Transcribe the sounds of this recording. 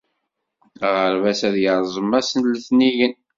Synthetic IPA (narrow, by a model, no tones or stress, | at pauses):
ʁəɾvæsæðjəɾˤzˤəmːæsənləθniʝən